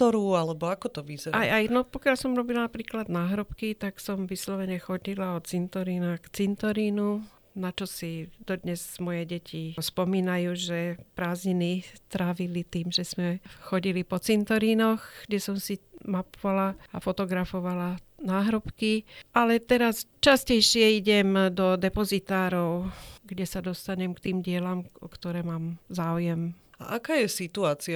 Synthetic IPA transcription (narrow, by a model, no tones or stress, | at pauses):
t̪ɔɾualɛbɔakɔt̪ɔʋizɛɾaajnɔpɔkɪalsɔmɾɔbilanapɾiːklad̪naːɦɾɔpkit̪aksɔmʋislɔʋɛɲɛxɔɟilaɔt͡sint̪ɔɾiːnakt͡sint̪ɔɾiːnu | nat͡ʃɔsid̪ɔd̪ɲɛzmɔjɛɟɛcʰispɔmiːnajuːʒɛpɾaːzɲinit̪ɾaːʋilit̪iːmʒɛz̥mɛxɔɟilipɔt͡sint̪ɔɾinɔxɡ̥ɟɛsɔmsimapɔʋalaa̰fɔt̪ɔɡɾafɔʋala | naːɦɾɔpkiʔalɛt̪ɛɾast͡ʃascɛjʃɪɛiɟɛmd̪ɔd̪ɛpɔzit̪aːɾɔʊɡɟɛsad̪ɔst̪aɲɛmkt̪iːmɟɪɛlamɔkt̪ɔɾɛːmaːmzaːujɛm | a̰ʔakaːjɛsit̪uaːt͡sia